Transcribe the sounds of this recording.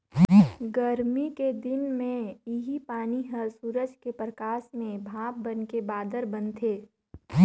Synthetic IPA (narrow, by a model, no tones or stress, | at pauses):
ɡəɾmiked̪ɪnmẽɪɦipaːniɦəɾsuːɾəd͡ʒkepɾəkaːʃmẽbʱaːb̚bənkebaːd̪əɾbənt̪ʰeː